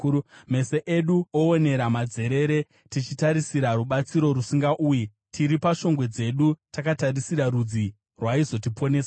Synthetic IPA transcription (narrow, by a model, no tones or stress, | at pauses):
me̞se̞ʔeɗuoːne̞ɾamad͡ze̞ɾe̞ɾe̞ | tit͡ʃitaɾisiɾaɾuɓat͡siɾo̞ɾusiŋɡaʔuːji | tʰiɾipaʃo̞ŋɡwe̞d͡ze̞ɗutakataɾisiɾaɾud͡zi | rwaizo̞tipo̞ne̞ːsa